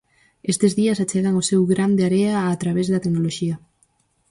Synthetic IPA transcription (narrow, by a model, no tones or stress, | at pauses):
est̪ezðiasat͡ʃeɣaŋosewɣɾand̪eaɾeaːt̪ɾaβezðat̪eknoloʃia